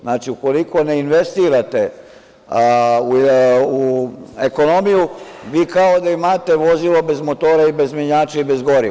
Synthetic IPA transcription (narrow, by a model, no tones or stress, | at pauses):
znaːt͡ʃiuko̞liko̞neinʋest̪iːɾat̪e̞ | uueko̞no̞mijuʋiːkao̞d̪aimaːt̪e̞ʋo̞zilo̞be̞zmot̪oːɾaibe̞zmeɲaːt͡ʃeibe̞zɡo̞ɾi